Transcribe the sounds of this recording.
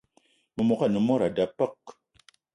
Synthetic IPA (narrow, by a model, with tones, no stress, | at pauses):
mɨ˨mo˨ka˦˨nɨ˨mo˦ɾa˨da˨pə˦˨k̚